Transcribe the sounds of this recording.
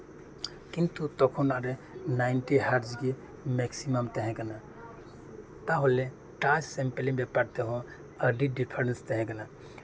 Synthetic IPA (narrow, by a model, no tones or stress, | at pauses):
kint̪ut̪ɔkʰonaɾenaɪnʈiɦaɾd͡ʒɡe | meksiməmt̪ɛɦɛ̃kəna | t̪aɦole | ʈassemplimbepaɾt̪eɦõ | əɾɖiɖipʰəɾenst̪ɛɦɛ̃ɡəna